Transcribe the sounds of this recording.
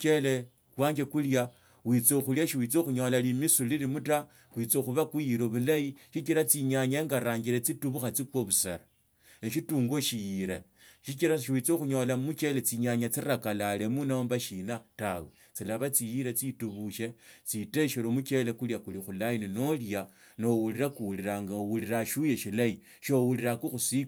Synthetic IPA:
t͡ʃe̞le | kwaːɲɡe̞kulja | wit͡soxuljaʃiwit͡soxuɲo̞lalimisulilimuta | wit͡soxuβakujilo̞βulajiʃit͡ʃiɾat͡siɲaɲaŋɡaɾaːɲɡiɾet͡situβuxat͡sikwoβusḛɾa | eʃituːŋɡo̞ʃijiɾe | ʃit͡ʃiɾaʃwit͡soxuɲo̞lamut͡ʃe̞let͡siɲaɲat͡siɾakalale̞munaombaʃinatawe | t͡silaβat͡sijiɾet͡situβuʃe̞t͡site̞ʃelomut͡ʃe̞lekuljakulixulajinino̞lja | no̞wuliɾakuwuliɾaŋɡawuliɾaʃuje̞ʃilai | ʃowuliɾakuxusi

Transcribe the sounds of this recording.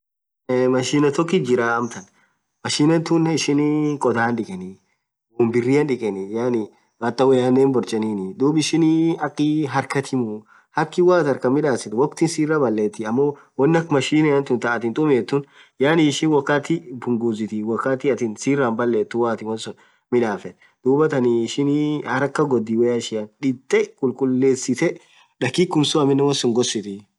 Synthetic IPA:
mɐʃiːnɐt̪ɔkːɪd͡ʒɪɾaːɐmt̪ɐn | mɐʃiːnɐnt̪unːɛɪʃɪnkʼɔd̪aːnᶑɪkʼɛnɪ | wʊmbɪrːiɐnᶑɪkʼɛnɪjaːnɪ | ʔɐt̪ːɐwɛjaːndeːnbɔɾt͡ʃʼɐniːnɪd̪uːbɪʃɪniɐkːɪɦɐɾkɐt̪ʰɪmʊ | hɐkːɪwaːt̪ɐɾkɐmːɪᶑaːsɪt̪wɐkt̪ɪnsiːrːabɐlːeːt̪ːɪɐmːowɐnːɐkmɐʃiːnɛjɐnt̪ʊnt̪ɐʔɐt̪ɪnt̪ʼʊmeːt̪ːʊn | jaːniɪʃɪnwɐkːaːt̪ɪbʊŋɡuːzɪt̪ɪwɐkːaːt̪ɪɐt̪ɪːnsiːrːaːnbɐlːeːt̪ːʊwaːt̪ɪwɐnsʊ | mɪᶑaːfɛ | d̪̥uːbɐt̪ɐniːʃɪnihɐɾɐkːɐɡɔd̪ːiwɛjɐʃɪjɐnᶑɪt̪ʼːɛkʼʊlkʼʊlːeːsɪt̪ɛ | ᶑɐkːikːʊmsʊɐmɪnːɛwɐnsʊŋɡɔsɪt̪ɪ

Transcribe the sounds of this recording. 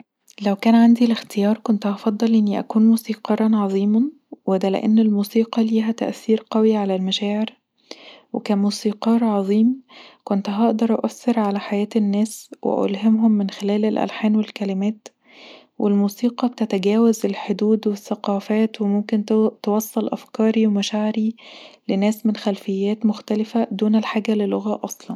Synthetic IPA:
læwkæːnʕand̪ilext̪ejɑːɾˤkont̪ʔɑfɑd̪ˤːɑlʔenːiʔæ̰kuːnmuːsiːqɑɾˤɑnʕɑðˤiːmɑ | wed̪ælḛʔænːelmuːsiːqɑliːɦæt̪æ̰ʔθiːɾqɑwiʕalælmæʃæːʕeɾ | wekæːmuːsiːqɑːɾˤʕɑðˤiːmkont̪ɦɑʔd̪ɑɾˤʔɑʔæsːeɾʕalæħajæːt̪ænːæːswḛʔo̰lɦemɦomːɪnxelæːlelʔæ̰lħaːnwelkælɪmæːt̪ | wʔelmuːsiːqɑb̚t̪æt̪æɡæːwæzelħod̪uːd̪weθːæqɑːfæːt̪wemomkent̪ewɑsˤːɑlʔæ̰fkɑːɾiwemæʃaʕɾilenæːsmenxælfɪjːæːt̪moxt̪ælɪfæd̪uːnælħaːɡæleloɣæʔɑsˤlɑn

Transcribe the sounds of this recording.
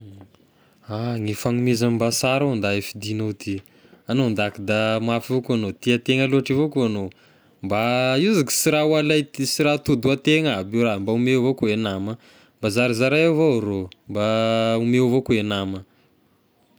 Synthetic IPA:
aŋifaŋumizambasaɾand̪aefid̪inot̪ʰi | anond̪akid̪amafivokuanot̪iat̪eŋəloaʈ͡ʂivokuano | mbaizaki̥siɾawalaj̪siɾat̪ud̪uat̪eŋabiwrambaumevokoenamə | mbazaɾizaɾaewvoɾombaumevokuenamə

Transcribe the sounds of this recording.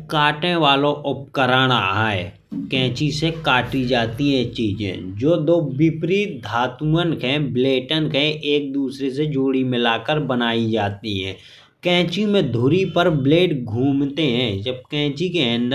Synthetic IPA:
kaːʈẽʋaːlõʔʊp̚kəɾaːɽ̃aaːɛ | kɛ̃ːt͡ʃisekaːʈid͡ʒaːt̪iɦɛ̃t͡ʃiːd͡ʒḛ̃ːd͡ʒoːd̪oːbɪpɾiːt̪̚d̪ʱaːt̪mənkɦɛ̃bleːʈənkɦɛ̃ʔeːk̚d̪uːsɾesed͡ʒoːɽimɪlaːkəɾbənaːid͡ʒaːt̪iɦɛ̰̃ː | kɛ̃ːt͡ʃimẽd̪ʱʊɾipəɾbleːʈɡʱuːmt̪eɦɛ̃d͡ʒəb̚kɛ̃ːt͡ʃikeə̃nɖ̪

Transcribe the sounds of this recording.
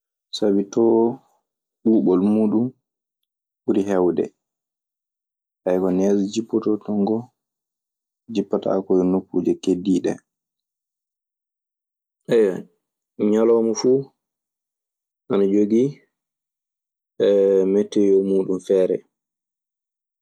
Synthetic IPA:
sabitɔ | ɓuːɓɔlmuːɗum | ɓuɾiɦɛwdɛ̰ | ʔajkɔnɛd͡ʒɔd͡ʒipːɔtɔtɔŋɡɔ | d͡ʒipːata̰kɔjɔnukːuːd͡ʒɛkediːɗɛ̰ | ʔɛja | ɲalɔːmɔfu | ʔanɔd͡ʒoɡi | ɛmɛtːɛjɔmuːɗumfɛːɾɛ̰

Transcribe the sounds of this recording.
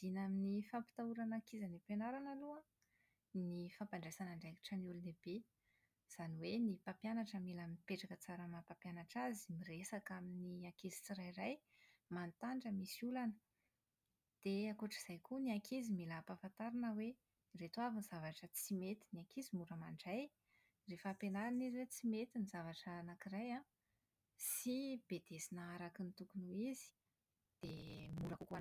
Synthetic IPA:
z̥inaminifampi̥t̪auɾanakizanipenaɾanalua | nifampaɳɖ͡ʐajsanaɳɖ͡ʐaki̥ʈ͡ʂəniuluneb̥e | z̥aniwenipapjanaʈ͡ʂəmilamiipeʈ͡ʂakət͡saɾəmapapjanaʈ͡ʂazimiresakaminiakezi̥t͡siɾajraj | mant̪aɳʈ͡ʂəmisiulanə̥ | d̪̥eakuʈ͡ʂiz̥ajkuniakʰezimilapafant̪aɾinəwe | ret̪uavinzavaʈ͡ʂət͡simet̪i̥niakizimuɾəmaɳɖ͡ʐaj | refapenaɾaniziwet͡simet̪inizavaʈ͡ʂənakiraja | sib̥ed̪̥esinəaɾakinit̪ukunuizi̥ | d̪̥emuɾakuka

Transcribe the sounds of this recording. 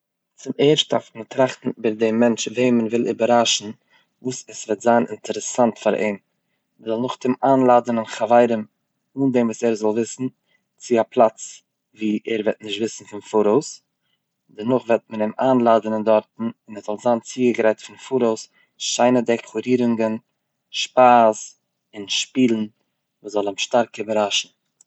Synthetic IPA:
t͡sɪmeːɾʃtafmətɾaχtn̩bəɾdɪmːɛnt͡ʃveɪmənvɪlˠɪbaɾaʃn̩ | vuːsɛsvɛtz̥aːnɪ̰ntʰəɾəsantfaɾḛːm | məzɔlˠnʊχtɪmaːnlˠaːdənɪnχavaɪɾəm | uːndemvuːsɛɾzɔlˠvɪsn̩ | t͡sɪapʰlˠat͡s | viːʔɛɾvɛtnɪʃtvɪsn̩fɪnfuɾoʊs | dɛnʊχvɛt̚mənɪmaːnlˠaːdənɪndɔɾtn̩ɪnɛɾzɔlˠzaːnt͡siːɡəɡɾaɪtfɪnfuɾoʊs | ʃaɪnədɛkʰlˠuɾiːɾʊŋɡən | ʃpaːs | ɪnʃpiːlˠn̩ | vuːszɔlˠɪmʃtaɾkəbəɾaʃn̩

